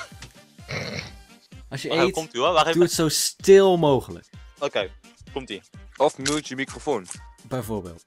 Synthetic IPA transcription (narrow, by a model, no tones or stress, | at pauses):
ɑlˠsjəekɔmtyɔʋaeduətsowstɪlˠmowχələ̰kokej | kɔmtiɔfmutjəmikrofoːnb̥ɛjvoːɹbḛːlˠt